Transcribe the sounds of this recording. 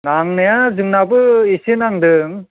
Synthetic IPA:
naŋnɯjazɯŋnabɯisinaŋd̪ɯŋ

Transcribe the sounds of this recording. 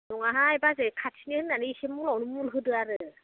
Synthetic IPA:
nɔŋaɦaɛbazɛkʰatʰinihɯnːaniisemuŋlɔwnumulɦɯdɯaɾɯ

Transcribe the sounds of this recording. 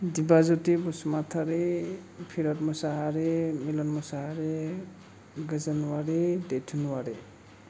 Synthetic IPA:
dibazutibɔsumat̪ʰaɾepʰiɾɔtmɔsaɦaɾemilɔnmɔsaɦaɾe | ɡəzənwaɾidetʰunwaɾi

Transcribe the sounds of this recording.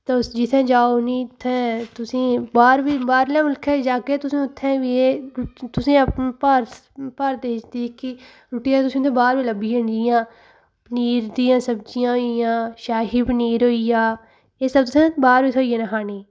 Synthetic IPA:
t̪eːsd͡ʒɪt̪ʰːɛ̃ːd͡ʒaːonĩːt̪ʰːɛ̃ːt̪ʊsĩːbaːɾʋiːbaːɾlɛ̃ːmʊlkʰɛːd͡ʒaːkeːt̪ʊsĩːʊt̪ʰːɛ̃ːʋieɾt̪ʊsĩːəpnpaːɾ | paːɾd̪eːɪt͡ʃd̪iːkɪ | ɾʊʈijaːt̪ʊsĩːʊt̪ʰɛ̃ːbaːɾʋiːləbiːə̃nd͡ʒɪjãː | pəniːɾd̪iːãːsəbd͡ʒijãːɦoijãːʃaːɦiːpəniːɾoːijãː | eːsəb̚t̪ʊt̪ʰɛ̃ːbaːɾʋiːt̪ʰoːiːjẽːnaɦaːniː

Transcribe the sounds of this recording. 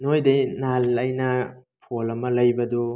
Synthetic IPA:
nojdɐjnalɐjnɐpʰolɐmɐlɐjbɐdo

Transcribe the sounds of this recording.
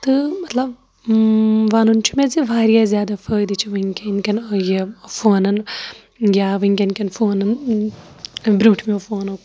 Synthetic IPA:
t̪ɨmɐt̪lɐb | ʋaːnunt͡ʃʰimeziʋaːɾjazjaːd̪ɐfʰəːjd̪it͡ʃʰiʋɐiŋkʲeinkʲɐnɐjefoːnɐn | ɡʲaːʋɐŋkʲɐnkʲɐnfoːnɐn | bɾuːʈʰmifoːnɐk

